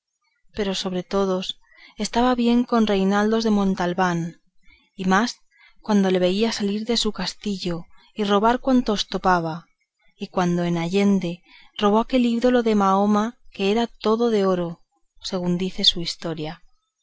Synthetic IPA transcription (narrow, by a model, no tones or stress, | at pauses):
pe̞ɾo̞so̞β̞ɾe̞t̪o̞ð̞o̞s | e̞st̪aβaβje̞ŋko̞nre̞jnald̪o̞zðe̞mõ̞nt̪alβan | imas | kwand̪o̞le̞β̞e̞iasaliɾðe̞sukast̪iʝo̞ | iro̞βaɾkwant̪ost̪o̞paβ̞a | ikwand̪o̞enaʝe̞nd̪e̞ | ro̞β̞o̞ake̞liβðo̞lo̞ðe̞mao̞make̞eɾat̪o̞ðo̞ðe̞o̞ɾo̞ | se̞ɣ̞und̪iθe̞suist̪o̞ɾja